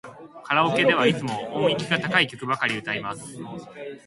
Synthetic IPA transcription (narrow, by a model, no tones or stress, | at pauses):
kʰaɾaoke̞d̪e̞β̞ait͡sɨmo̞õŋikʲiɡat̪akaikʲo̞kɯ̟bakaɾʲiɯ̟t̪aimasɨ̥